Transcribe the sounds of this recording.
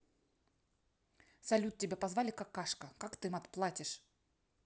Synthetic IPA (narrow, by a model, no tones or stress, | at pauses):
sɐlʲut̪̚tʲɪbʲapɐzvalʲɪkakːaʂkəkakt̪ɨmɐt̪plˠatʲɪʂ